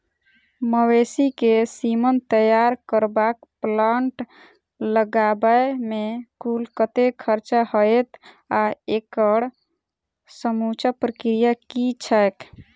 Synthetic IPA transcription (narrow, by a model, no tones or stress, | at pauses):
məwesikesimənt̪əjaɾkəɾbakplaɳʈ | ləɡabəemekulkət̪ekʰəɾt͡ʃahəjt̪ʰ | aekəɽ | səmut͡ʃapɾəkɾijakit͡ʃʰaek̪